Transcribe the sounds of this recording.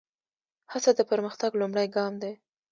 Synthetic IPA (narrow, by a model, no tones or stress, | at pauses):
hat͡sad̪əpəɾməxt̪aɡlumɽajɡɑmd̪a